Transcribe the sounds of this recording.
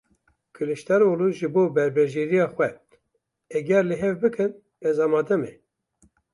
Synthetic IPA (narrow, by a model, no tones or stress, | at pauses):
kʰɨlɨʃt̪ɛɾoːluːʒɨboːbɛɾbɛʒeːɾijɑːxwɛ | ɛɡɛɾleɦɛvbɨkʰɨn | ɛzɑːmɑːd̪ɛmɛ